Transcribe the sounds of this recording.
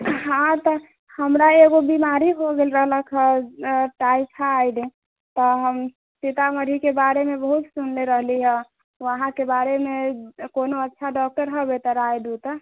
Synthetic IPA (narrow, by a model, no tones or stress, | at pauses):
ɦãt̪ɔ | həmɾaeɡobimaɾiɦoɡelɾəɦləkʰəʈajkʰaːjd̪i | t̪ɔɦəm | sit̪aməɾʱikebaɾemebəɦut̪sunleɾəɦliɦə̃ | əɦãkebaɾemekonoətːʃʰaɖɔk̚ʈəɾɦəbet̪əɾajd̪ut̪ə